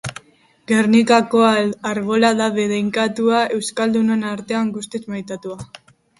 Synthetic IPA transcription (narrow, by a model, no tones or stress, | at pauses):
ɡe̞ɾnikakoaaɾβo̞laðaβeðejŋkat̪uae̞wskald̪une̞naɾt̪e̞aŋɡust̪et͡smajt̪at̪ua